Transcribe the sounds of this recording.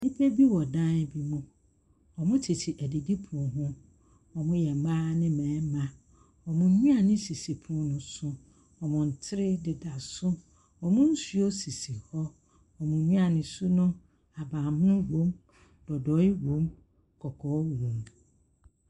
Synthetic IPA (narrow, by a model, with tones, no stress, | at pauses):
nɪ˦pʰe˦bi˦wɔ˨dã˦n˦bi˦mʊ̃˦ | ɔ˨mʊ̃˦tʰɪ˨tʰɪ˨ʔæ˨di˨di˦pʰũ˨ɦʊ̃˦ | ɔ˨mʊ̃˦jɛ˨mãː˦nɪ̃˦mɛ̃ː˨˦mã˨ | ɔ˨mʊ̃˨˦nũ˦a˨nɪ̃˦si˨si˨pʰũ˦nʊ̃˨sʊ˦ | ɔ˨mʊ̃˨n̩˨tʰɪ˦ɾɪ˦dɪ˨da˨sʊ˦ | ɔ˨mʊ̃˦n̩˦su˦o˦si˨si˨hɔ˦ | ɔ˨mʊ̃˨˦nũ˦a˨nɪ̃˨su˦nʊ̃˦ | a˨bãː˨m˦ʊ̃˦wõ˦m | d̥ɔ˨dɔ˨˦ɪ˦ɡõ˦m | kʰɔ˨kʰɔ˨˦wũ˨m